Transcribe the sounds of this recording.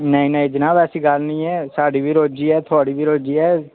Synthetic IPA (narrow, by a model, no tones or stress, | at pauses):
nəĩːnəĩːd͡ʒɪnãːbɛːsiːɡəlnĩːɛːsaːɖiːʋiːɾoːd͡ʒiːɛːt̪ʰʊaːɽiːʋiːɾoːd͡ʒiːɛː